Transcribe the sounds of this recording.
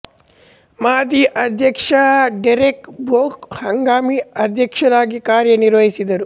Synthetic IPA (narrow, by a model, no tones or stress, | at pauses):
maːd̪iʔɐd̪ʱjɐkʂɐɖɐɾekboːkhɐŋɡaːmiɐd̪ʱjɐkʂɐɾaːɡikaːɾjɐniɾʋɐɦisid̪ɐɾu